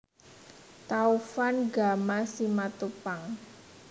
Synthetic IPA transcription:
t̪aufanɡa̤masimat̪upaŋ

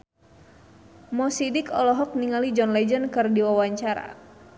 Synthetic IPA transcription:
mɔsidɪkɔlɔɦɔk̚niŋalid͡ʒɔnlɛd͡ʒənkɨrdiwawaɲt͡ʃaɾa̰

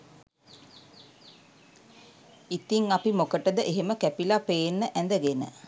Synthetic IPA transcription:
it̪iŋapimokəʈəd̪əʔeɦeməkæpilapeːnːəʔænd̪əɡenə̰

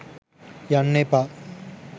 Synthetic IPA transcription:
janːepa

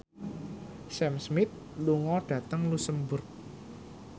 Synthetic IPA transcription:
sɛmsmɪt̪̚ | luŋɔɖ̥ä̤t̪əŋlusəmbʊrk̚

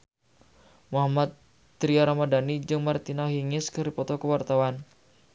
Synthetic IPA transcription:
muɦamat̪ː | ɾiaɾamadanid͡ʒɨŋmart̪inaɦiŋɪskɨrɾipɔt̪ɔkəwart̪awan

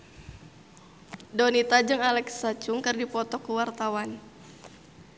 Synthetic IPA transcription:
donit̪ad͡ʒɨŋalɛksat͡ʃʊŋkɨrdipɔt̪ɔkəwart̪awan

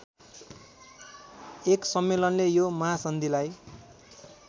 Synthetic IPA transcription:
eksʌmːelʌnlejomʌɦasʌnd̪ʱilaj

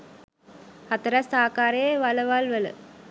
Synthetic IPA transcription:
hɐt̪ɐɾɐsaːkaːɾeːʋɐlɐʋaːlʋɐlɯ̰

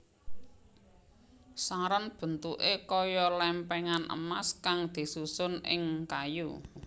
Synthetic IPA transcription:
saɾɔnb̥ə̤nt̪uʔekɔjɔlɛmpɛŋanʔə̰maskaŋd̪̥i̤susʊnʔɪ̰ŋkaju

